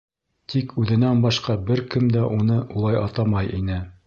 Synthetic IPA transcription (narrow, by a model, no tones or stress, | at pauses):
t̪ʰikʰʉðɘ̆nænbɑʃqɑbɘɾkɘmd̪æʔunɤulˠɑjʔɑt̪ɑmɑjʔinɘ